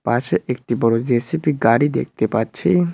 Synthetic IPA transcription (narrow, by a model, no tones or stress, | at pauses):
paʃeʔek̚ʈibɔɽod͡ʑesipiɡaɽid̪ḛk̚ʰt̪epatːɕʰi